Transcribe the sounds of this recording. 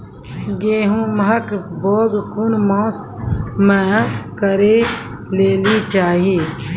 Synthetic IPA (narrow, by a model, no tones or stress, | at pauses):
ɡeːɦũməɦəkboːɡkʊnmɔ̃ːs | mɛ̃kəɾe | leːlit͡ʃaːɦiː